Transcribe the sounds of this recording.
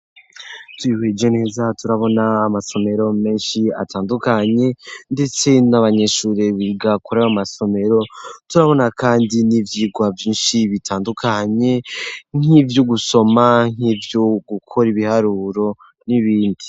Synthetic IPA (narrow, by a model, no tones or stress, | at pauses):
twihed͡ʒone̞ːzatuɾaβo̞naːmaso̞me̞ɾo̞me̞ːnʃia̰tʰaːndukaɲe̞nde̞t͡se̞naβaɲe̞ʃuːɾeβiɡakoɾaβamaso̞me̞ɾo̞tuɾaβo̞nakʰaːndinivjiːɡwavjiːnʃiβitʰaːndukʰaɲe̞ŋ̥ivjuɡuso̞maŋ̥iːvjoɡukʰo̞ɾiβihaɾuːɾo̞ | niβiːndi